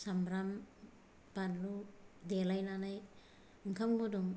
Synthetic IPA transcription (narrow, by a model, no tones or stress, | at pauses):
samɾam | panludelajnanaj | ɯŋkʰamɡoduŋ